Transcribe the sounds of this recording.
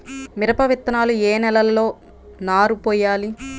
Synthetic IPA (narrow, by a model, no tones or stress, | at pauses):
miɾɐpɐʋit̪ːɐnaːlueːnɛlɐlːo̞ː | naːɾupɔːjaːli